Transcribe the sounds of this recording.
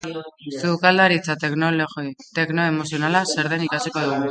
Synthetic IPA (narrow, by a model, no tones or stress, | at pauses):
sukald̪aɾit͡sat | t̪e̞kno̞emo̞sio̞nalase̞ɾðe̞nikasiko̞ðuɣu